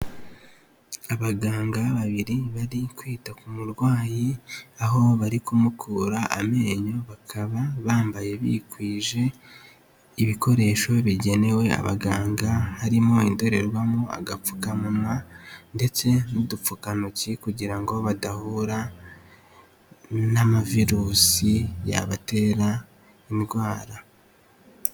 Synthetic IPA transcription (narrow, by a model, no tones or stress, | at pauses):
aβaɡaːŋɡaβaβiɾiβaɾikwiːtakumuɾɡwaːjiaɦo̞βaɾikumukʰuɾaʔame̞ːɲo̞βakʰaβaβaːmbaje̞βḭkwiːʒe̞ | iβiko̞ɾe̞ʃo̞βiɟe̞ne̞we̞a̰βa̰ɡaːŋɡahaɾimo̞indo̞ɾe̞ɾwamoa̰ɡap͡fu̥kamumŋande̞t͡se̞nudup͡fukanucikuɟiɾaŋɡo̞βadahuɾa | namaviɾuːsija̰βate̞ɾa | imidɡwaːɾa